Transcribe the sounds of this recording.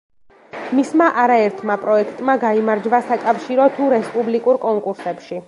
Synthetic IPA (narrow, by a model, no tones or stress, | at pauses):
mismaʔaɾaɛɾt̪ʰmapʼɾɔɛkʰt̪ʼmaɡaimaɾd͡ʒvasakʼafʃiɾɔt̪ʰuɾɛspʼublikʼuɾkʼɔŋkʼuɾsɛpʃi